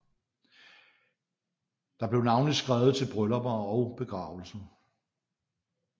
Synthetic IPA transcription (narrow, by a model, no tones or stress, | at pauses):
d̥ɑ̈b̥le̝ʊnɑ̈ʊnlisɡ̥ʁaːʊð̞̩ˠt͡sʰe̝lb̥ʁœlɐbɐɒʊb̥e̝ɡ̥ʁɑ̈ːʊl̩sn̩